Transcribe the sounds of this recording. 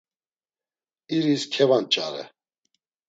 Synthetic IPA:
iɾiskʰɛvant͡ʃʼaɾɛ̰

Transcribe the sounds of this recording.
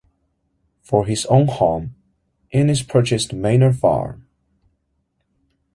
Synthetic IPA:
fə˞ɦɪzõʊ̃nhɑ̃m | ʔɪ̃nɪz̥pʰɜ˞t͡ʃɨstmẽɪ̃nə˞fɑ̰ɹm

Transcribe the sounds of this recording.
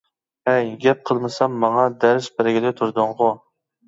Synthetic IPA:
ɛjɡʲɛp̚qʰəlˠmɨsɛmːɑŋɑd̪æɾɪʃbɪɾɪɡʲɪd̪ɪt̪ʰuɾd̪ʊɴʁʊ

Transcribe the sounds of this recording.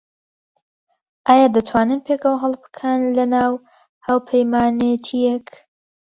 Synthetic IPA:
ʔaːjaːd̪ɐt̪ʰwaːnɨnpʰekəwɦɑlˠbɨ̥kʰənlɐnaːw | haːwpʰəjmaːnet̪ʰijɛk

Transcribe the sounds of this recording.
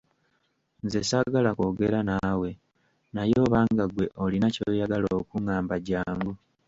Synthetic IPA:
nze̞saɡalako̞ɡe̞ɾanaːwe̞ | najo̞ːβaːŋɡaɡwe̞ʔo̞linacoːjaɡaloːkuŋaːmbaɟaːŋɡu

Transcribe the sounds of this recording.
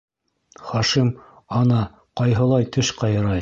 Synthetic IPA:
χɑʃim | ɑnɑ | qɑjɦɤ̆lˠɑjt̪ʰɵ̆ʃqɑjɤ̆ɾɑj

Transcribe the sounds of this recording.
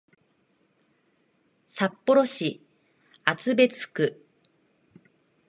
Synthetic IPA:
sapːo̞ɾo̞ɕi | at͡sɨbe̞t͡sɨ̥kɯ̟

